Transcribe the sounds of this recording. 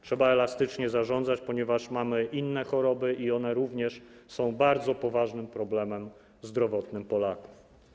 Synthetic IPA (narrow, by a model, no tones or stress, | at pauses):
tʂɛbaɛlast̪ɘt͡ʂɲɛzaʐɔnd̪zat͡ɕpɔɲɛvaʂmamɘʔinːɛxɔɾɔbɘʔiɔnɛɾuvɲɛʂsɔ̃w̃baɾd̪zɔpɔvaʐnɘmpɾɔblɛmɛm | zd̪ɾɔvɔt̪nɘmpɔlaku̥f